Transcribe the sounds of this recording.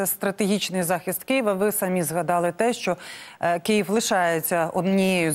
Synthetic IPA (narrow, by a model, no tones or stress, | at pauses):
ɛst̪ɾɐt̪eɦʲit͡ʃnɪjzɑxʲist̪kɪjiʋɐʋɪsɐmʲizɦɐd̪ɑlˠɪt̪ɛʃt͡ʃɔkɪjiwlˠɪʃɑjet͡sʲːɐɔd̪nʲijɛjʊ